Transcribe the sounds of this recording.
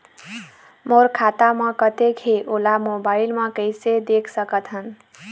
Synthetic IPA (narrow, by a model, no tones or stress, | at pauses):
moɾkʰat̪amə̃kət̪ekɦeʔolamobailmə̃kəɪsed̪ekʰsəkət̪ɦən